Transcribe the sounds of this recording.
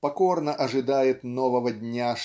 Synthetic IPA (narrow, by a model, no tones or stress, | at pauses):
pɐkɔrnɐʔɐʐɨd̪ajɛt̪nɔvɐvɐdʲnʲaʂ